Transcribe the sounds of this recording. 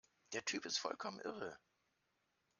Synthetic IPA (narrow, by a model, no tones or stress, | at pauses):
d̥eːɐtʰyːpɪstfɔ̰lkʰɔmənʔɪʁə